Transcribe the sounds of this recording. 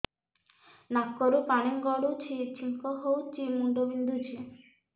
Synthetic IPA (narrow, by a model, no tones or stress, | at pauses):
nakːoɾupaneŋɡɔɽut͡ɕʰit͡ɕʰiŋkoɦowt͡ɕimuɳɖobind̪ut͡ɕʰi